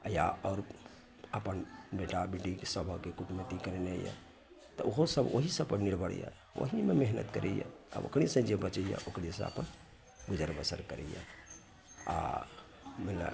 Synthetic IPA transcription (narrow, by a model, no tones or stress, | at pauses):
jaɔɾ | əpənbeʈabeʈikesəbʱəkekuʈmet̪ikəɾeneja̰ | t̪ɔoɦosəboɦisəb̚pəɾniɾbʱəɽ̰ja̰ | o̰ɦimemeɦnət̪kəɾɛja̰a̰bo̰kɽ̃isə̃d͡ʒebət͡ʃəija̰ʔokɽisə̃ə̰pən | bud͡ʒəɾbəsəɾkəɾɛ̰ja̰ | a̰ | mela̰